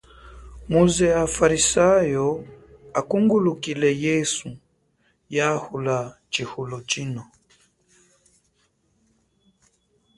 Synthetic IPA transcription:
muzɛafaɾisajɔ | akuŋɡulukilɛjɛsu | jahula | t͡ʃihulɔt͡ʃinɔ

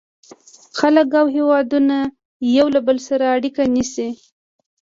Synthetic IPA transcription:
xaləkawɦewɑd̪una | jawlabəlsaɾaːɽikanisi

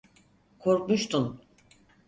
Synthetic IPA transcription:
kʰo̞ɾkmuʃt̪ʰun

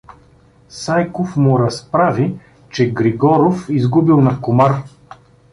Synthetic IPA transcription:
sajkofmʊɾɐspɾavi | t͡ʃɛɡɾiɡɔɾofizɡubilˠnɐkʊmaɾ

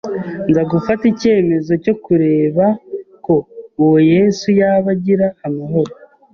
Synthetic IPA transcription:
ŋɡaɡufatice̞ːme̞zo̞co̞kuɾe̞ːβako̞ːwoje̞ːsujaβaɟiɾaːmaɦo̞ɾo

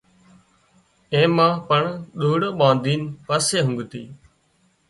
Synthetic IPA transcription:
ẽːmãːpəɳɗuːɽoːɓãːnd̪ʱiːnpəseːɦʊ̃ŋɡt̪ḭː

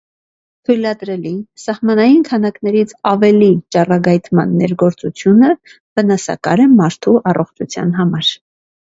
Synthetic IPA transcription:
t̪ʰujlɑd̪ɾɛlisɑhmɑnɑjinkʰɑnɑknɛɾit͡sʰɑvɛlit͡ʃɑrɑɡɑjt̪ʰmɑ̰nːɛɾɡɔɾt͡sut͡sʰjunə | v̥ənɑsɑ̰kɑɾɛmɑɾt̪ʰuʔɑrɔχt͡ʃʰut͡sʰjɑ̰nɦɑmɑɾ

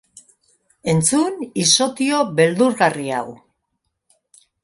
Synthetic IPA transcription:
e̞nt͡suniso̞t̪io̞βe̞ld̪uɾɣaria̰w

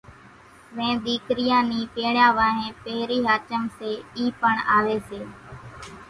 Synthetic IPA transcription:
ʋẽːd̪iːkɾɪjãːniːpeːɽjãːʋaːɦẽːpeːɾiːɦaːt͡ʃəmseːiːpəɳaːʋeːseː

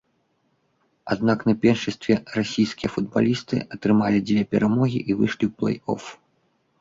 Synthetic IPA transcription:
a̰d̪̚naknɐpʲɛrʂɨsʲt̪vʲɛrasʲijsʲkʲijɐfud̪̚ba̰lʲist̪ɨ̰ʔɐt̪ɾɨmalʲid͡z̪ʲvʲɛpʲɛɾamɔɣʲḭʔivɨ̰ʂlʲiwplˠɛ̰jɔ̰f

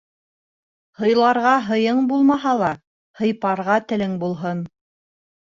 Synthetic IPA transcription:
hɤ̆jlˠɑɾʁɑɦɤ̆jɤɴbulˠmɑɦɑlˠɑ | hɤ̆jpɑɾʁɑt̪ɘ̆lɘŋbulˠɦɤn

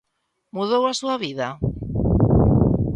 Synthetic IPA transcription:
muðowasuaβiða

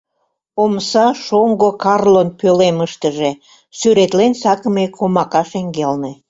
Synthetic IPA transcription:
omsɑʃoŋɡokɑrlonpøleməʃt̪əʒe | syɾet̪lensɑkəmekʰomɑkɑʃeŋɡelne

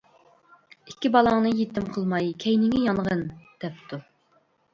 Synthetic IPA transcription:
ikʲːibɑlˠɑŋnɨjet̪ɪmqʰəlˠmɑjkʲʰɛjnɪŋʲɛjɑnʁənd̪̥ɛp̚t̪ʰu

